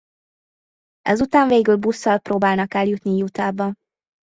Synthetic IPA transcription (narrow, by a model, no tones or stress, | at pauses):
ɛ̰zut̪aːɱveːɡylbusːɒlproːbaːlnɒkɛljut̪nijut̪aːbɒ